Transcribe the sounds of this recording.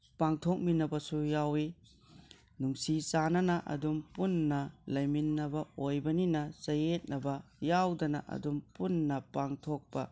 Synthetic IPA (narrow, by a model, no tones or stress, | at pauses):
paŋtʰok̚minɐbɐsujawi | nuŋsisanɐnɐʔɐ̰dumpunːɐlɐjminːɐbɐojbɐninɐsɐjet̚nɐbɐjawdɐnɐ̰ʔɐ̰dumpunːɐpaŋtʰok̚pɐ